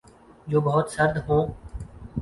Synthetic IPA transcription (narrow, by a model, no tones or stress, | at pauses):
d͡ʒoːbəɦʊt̪səɾd̪ɦõː